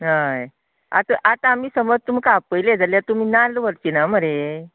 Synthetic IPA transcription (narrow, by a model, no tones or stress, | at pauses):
ɦaj | a̰t̪aʔat̪aamiːsəmʋət̪um̤ikapəjled͡zaljat̪um̤iːnalʋəɾt͡ɕinaməɾe